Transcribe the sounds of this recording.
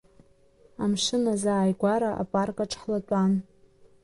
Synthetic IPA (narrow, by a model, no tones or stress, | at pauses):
amʂɪnazaːjɡʷaɾaʔa̰pʼarkʼaʈ͡ʂʰʼχlatʷʼan